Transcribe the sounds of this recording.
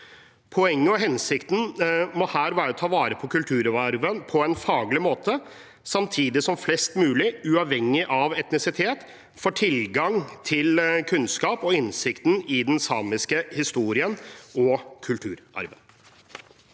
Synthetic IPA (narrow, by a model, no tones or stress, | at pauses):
pʰɔɛŋːəɔɦɛnsɪkt̪n̩mɔhæːɾʋæːɾət̪ʰɑːʋɑːɾəpʰɔkʉlt̪ʰʉːɾɑɾʋənpʰɔɛnfɑːɡlɪmoːt̪ʰə | sɑmt̪ʰiːd̪ɪsɔmflɛst̪mʉːlɪʉɑʋhɛŋːɪʔɑʋɛt̪nɪsɪt̪ʰeːt̪ | fɔʈʰɪlɡɑŋt̪ʰɪlkʰʉnskɑːpɔɪnsɪkt̪n̩ɪd̪ɛnsɑːmɪskəhɪst̪uːɾɪənɔkʰʉlt̪ʰʉːɾɑ̰ɾʋən